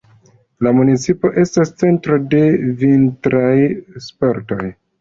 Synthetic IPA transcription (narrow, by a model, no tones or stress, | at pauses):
lamunit͡sipo̞ʔe̞stast͡se̞ntɾo̞de̞vintɾajspo̞ɾto̞j